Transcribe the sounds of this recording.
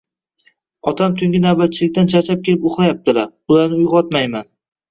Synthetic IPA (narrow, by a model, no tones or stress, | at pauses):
ɒt̪ʰamt̪ʰʊŋʲɪnawbat̪̚t͡ʃʰɪlɪkʲt̪ant͡ʃʰat͡ʃʰap̚kʲe̞lɪpoχlˠajap̚t̪ɪlaɾʊlaɾnɪʊjʁɒt̪majman